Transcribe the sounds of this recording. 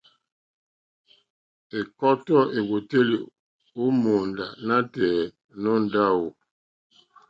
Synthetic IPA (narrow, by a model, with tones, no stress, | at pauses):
e˨kɔ˦tɔ˦ʔe˨ɡo˨te˦li˨ | u˦mo˨nda̰˨na˦tɛː˨ | nɔ˦n̩˦da˦wo˨